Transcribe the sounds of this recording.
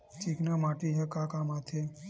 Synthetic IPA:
t͡ʃiknamaʈiɦəkakamat̪ʰe

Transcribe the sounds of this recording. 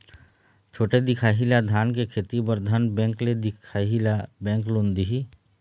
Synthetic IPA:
t͡ʃʰoːʈed̪ɪkʰaːɦilad̪ʱaːnkekʰeːt̪ibəɾd̪ʱənbɛ̃ːŋkled̪ɪkʰaɦilabɛ̃ːŋklõːnd̪iɦi

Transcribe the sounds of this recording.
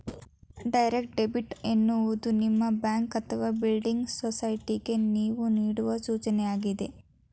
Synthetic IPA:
ɖɐjɾekʈɖe̞biʈenːuʋud̪unimːɐbjaːŋkɐt̪ʰːɐʋabilɖiŋɡsosɐjʈiɡe̞niːʋuniːɽuʋɐsuːt͡ʃɐnɛjaːɡid̪e̞

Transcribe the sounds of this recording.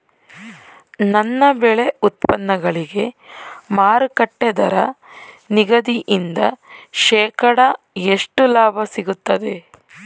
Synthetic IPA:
nɐnːɐbeɭeut̪̚pɐnːɐɡɐɭiɡe̞maːɾukɐʈːed̪ɐɾɐ | niɡɐd̪iʔind̪ɐʃɛːkɐɽɐ | eʂʈulaːbʱɐsiɡut̪ːɐd̪e̞

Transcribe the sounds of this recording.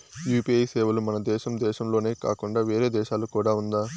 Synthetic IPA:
juːpiɐjsɛːʋɐlumɐnɐd̪ɛːʃɐmd̪ɛːʃɐmlo̞ːne̞ːka̰ːkuɳɖaːʋeːɾeːd̪ɛːʃaːlukuːɽaːund̪aː

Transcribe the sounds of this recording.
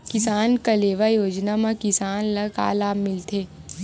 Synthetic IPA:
kɪsaːnkɐleːʋajoːd͡ʒnamãkɪsaːnlɐka̰ːlaːmɪlt̪ʰeː

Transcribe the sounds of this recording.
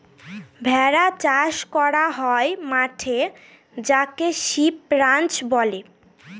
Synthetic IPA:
bʱɛɾat͡ɕaʃkɔɾaɦɔemaʈʰe | d͡ʑakeʃip̚ɾant͡ɕbɔle

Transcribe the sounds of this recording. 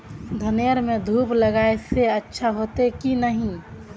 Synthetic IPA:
d̪ʱənejəɾmẽd̪ʱuːpləɡaeseətːʃʰaɦot̪ekinəɦĩ

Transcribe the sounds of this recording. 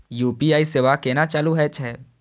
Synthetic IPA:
juːpiaːisɪʋakeːnat͡ʃaːluɦɛt͡ʃʰɛː

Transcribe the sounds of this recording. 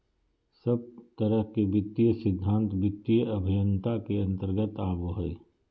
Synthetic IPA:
səb̚t̪əɾəɦkebɪt̪ːijəsɪd̪ʱːãːnt̪bɪt̪ːijəɐbʱɪjə̃nt̪akeɐ̃nt̪əɾɡət̪aːboɦəe

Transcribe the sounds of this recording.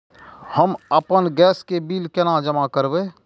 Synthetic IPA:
həməpənɡɛːskebiːlkenad͡ʒəmakəɾbe

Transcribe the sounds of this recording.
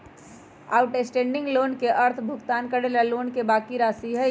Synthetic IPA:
a̰ːʊʈesʈẽːɳɖɪ̃ŋɡloːnkeʔɐɾt̪ʰbʱʊɡt̪aːnkɐɽeːlaloːnkebaːkiɾaːsiɦɛ

